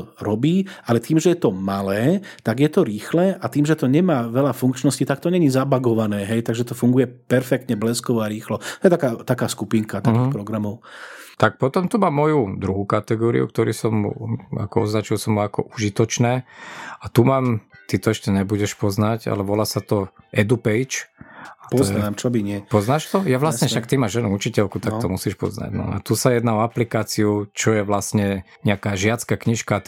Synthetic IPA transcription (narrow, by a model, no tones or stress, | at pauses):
ɾɔbiːʔalɛt̪iːmʒɛjɛt̪ɔmalɛːt̪aɡjɛt̪ɔɾiːxlɛːʔat̪iːmʒɛt̪ɔɲɛmaːʋɛlafuŋkt͡ʃnɔscit̪ak̚t̪ɔɲɛɲizabaɡɔʋanɛːɦɛjt̪aɡʒɛt̪ɔfuŋɡujɛpɛɾfɛk̚t̪ɲɛblɛskɔʋɔaɾiːxlɔt̪ɔɛt̪akaːt̪akaːskupiːŋkat̪akiːxpɾɔɡɾamɔʊt̪ak̚pɔt̪ɔmt̪umaːmːɔjud̪ɾuɦukat̪ɛɡɔːɾḭṵkt̪ɔɾiːsɔmṵa̰kɔɔ̰znat͡ʃuɛlsɔmːuakɔ̰ʔuʒit̪ɔt͡ʃnɛːat̪umaːmt̪it̪ɔɛʃcɛɲɛbuɟɛʃpɔznaɟa̰lɛʋɔlasat̪ɔʔɛd̪upɛjt͡ʃat̪ɔɛamt͡ʃɔbiɲɪɛpɔznaːʃt̪ɔjaʋlasɲɛfʃakt̪imaʒʒɛnuut͡ʃicɛlkut̪ak̚t̪ɔmusiːʃpɔ̰zna̰ɟnɔ̰a̰t̪usajɛd̪naɔaplikaːt͡siut͡ʃɔjɛʋlasɲɛɲɛakaːʒɪat͡skakɲiʃka